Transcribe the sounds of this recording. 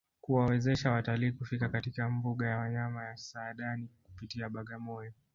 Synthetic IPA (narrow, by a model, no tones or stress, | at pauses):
kuwawɛzɛʃawataliːkufikakatikambuɠajawaɲamajasaːɗaniku̥pitiaɓaɠamɔjɔ